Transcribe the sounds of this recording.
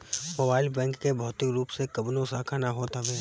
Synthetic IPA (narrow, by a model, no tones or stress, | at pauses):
mobaːɪlbɛ̃ːŋkːebʱɔːt̪ɪkɾuːpsekɐbnõsaːkʰanaɦoːt̪aʋɛː